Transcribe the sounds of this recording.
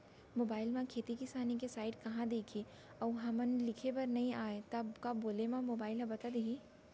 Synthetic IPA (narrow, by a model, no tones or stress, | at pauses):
moːbaːɪlmãkʰeːt̪ikisaːnikesaːɪʈkɐɦãd̪eːkʰi | ɔːɦɐmənlɪkʰepɐɾnɐɦĩaːet̪ɐbkaboːlemãmoːbaːɪlɐ̃bɐt̪ad̪eɡiː